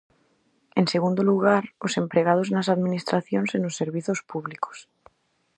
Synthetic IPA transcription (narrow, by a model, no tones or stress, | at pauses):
e̞nse̞ɣund̪oluɣ̞aɾose̞mpɾe̞ɣ̞aðosenasaðmĩnist̪ɾaθjo̞nsenosːe̞ɾβiθo̞spuβliko̥s